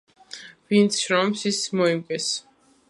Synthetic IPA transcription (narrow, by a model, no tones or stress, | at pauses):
vint̪sʰʃɾɔmsismɔimkʼɛs